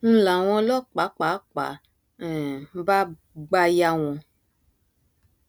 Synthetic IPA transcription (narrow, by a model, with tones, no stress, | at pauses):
ñ̩˦la˨w̃ɔ̃˧lɔ˦k͡pa˨˦k͡pa˨˦k͡pa̰˨˦˨ | m̩˦ba˦ | ɡ͡ba˧ja˧w̃ɔ̃˨